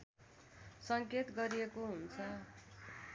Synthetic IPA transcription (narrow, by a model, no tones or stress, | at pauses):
sʌŋket̪ɡʌɾijekoɦunt͡sʰʌ